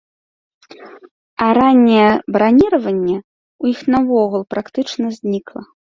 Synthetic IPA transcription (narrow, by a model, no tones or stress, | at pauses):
ɐɾanʲːɛjɛbɾanʲiɾɐvɐnʲːɛ | ujixnɐvɔɣulˠpɾakt̪ɨt͡ʂnɐzʲnʲiklˠɐ